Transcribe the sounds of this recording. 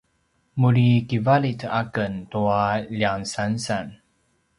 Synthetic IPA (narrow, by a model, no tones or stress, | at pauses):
muɾikivalitakənt̪uaʎiaŋsansan